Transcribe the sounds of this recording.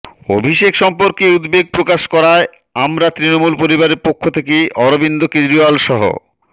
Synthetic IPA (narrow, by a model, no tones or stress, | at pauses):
obʱiʃekʃɔmpoɾkeud̪beɡ̚pɾokaʃkɔɾae | amɾat̪ɾinomulpoɾibaɾeɾpokʰːot̪ʰekeʔɔɾobind̪okẽnd̪ɾioalʃɔɦo̰